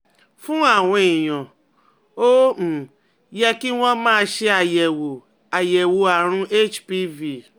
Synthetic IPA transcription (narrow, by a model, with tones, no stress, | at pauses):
fũ˦a˨wʷe˨jɔ̃˨ | o˦m̩˨ | jɛ˦ki˦wʷɔ̃˦mãː˦ʃe˦a˨je˨wo˨ | a˨je˨wo˨a˨ɾ̃ũ˦ʔe˦t͡ʃpi˦vi˨